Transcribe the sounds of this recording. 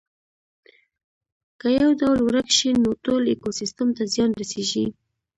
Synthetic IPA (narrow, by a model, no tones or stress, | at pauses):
kajawdawlwɾakʃinot̪olekosist̪amt̪azjɑnɾaseʒi